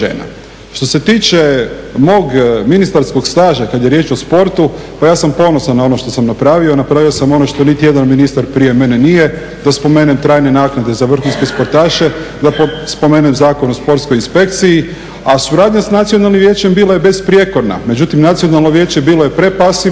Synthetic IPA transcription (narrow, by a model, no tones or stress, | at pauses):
ʒḛːna̰ | ʃt̪o̞se̞t̪iːt͡ʃe̞mo̞ːɡminist̪aɾsko̞ɡst̪aːʒakad̪jeɾjet͡ʃo̞spo̞ɾt̪u | pajaːsampo̞no̞sanːao̞noʃt̪o̞samnapɾaːʋio̞napɾaːʋiosamo̞no̞ʃt̪o̞nit̪ije̞d̪anminist̪aɾpɾije̞me̞nenije | d̪aspo̞me̞ːnemt̪ɾaːjne̞naːknad̪e̞zaʋr̩xunske̞spo̞ɾt̪aːʃe̞ | d̪apospo̞meːnemzaːkonospo̞ɾt̪sko̞jinspe̞kt̪siji | asuɾaːd̪ɲasnat̪sionalˠnimʋje̞ːt͡ɕembiːloje̞be̞spɾje̞ko̞ɾna̰me̞d͡ʒut̪imnat̪sionalnoʋje̞ːt͡ɕe̞biːlojepɾe̞pasi